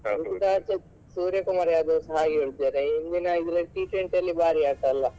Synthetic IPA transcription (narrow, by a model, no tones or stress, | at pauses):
mit̪it̪aːt͡ʃːɐ | suːɾjɐkumaːɾjaːd̪oːsɐɦaːɡiuɽd̪eːɾeind̪inɐid̪ɾɐʈiːʈɾeɳʈɐlːibaːɾiaːʈ̪alːɐ